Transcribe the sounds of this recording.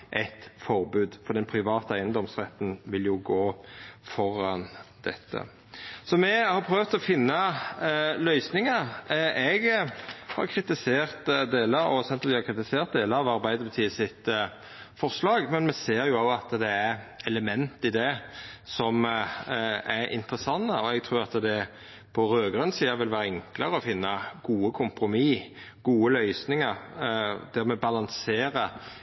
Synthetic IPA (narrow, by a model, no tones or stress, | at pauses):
ʔæt̪fɔɾbʉːd̪fɔɾd̪ɛnpʰɾɪʋɑːt̪əæɪənd̪ɔmsʁɛt̪ənʋɪljʊɡoːfɔɾɑnd̪̥ɛt̪ʰːə̰ | sɔmɛhɑɾpʰɾøːʋt̪ɔfɪnːɑ | lœʏsnɪŋəɾʔɛɡhɑ̰ʁkʰɾɪt̪ɪseːʁt̪d̪eːləɔ̰sɛnt̪əld̪ɪhɑɾkʰɾɪt̪ɪseːʁt̪̚d̪eːləɑʋɑɾbæɪd̪əɾbət̪ʰiːsɪt̪ | fɔʁslɑːɡmɛnmɛseːɾʁjʊɑɑt̪d̪ɛæɾɛləmɛnt̪ɪd̪ɛsɔm | æɾɪ̰nt̪ɾəsɑnːəɔɛɡt̪ʰɾuːɾʁɑt̪d̪ɛ | pʰɔɾøːɡɾʉnsiːɑʋɪlʋæːɾəɛŋkləɾəɔfɪnːɑɡ̥uːəkʰʊmpɾʊmiː | ɡ̥uːəlœʏsnɪŋəɾd̪̥æʁmɛbɑlɑnseːɾə